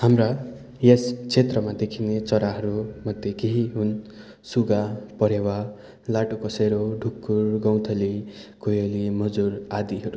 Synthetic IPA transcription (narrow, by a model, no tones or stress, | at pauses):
hamra | jest͡sʰet̪rʌmad̪ekʰinet͡sʌɾaɦʌɾumʌd̪ʱjekeɦiɦun | suɡapʌɾewa | laʈokʌseɾoɖʱukːurɡʌw̃t̪ʰʌlikojolimʌd͡zuɾad̪iɦʌɾu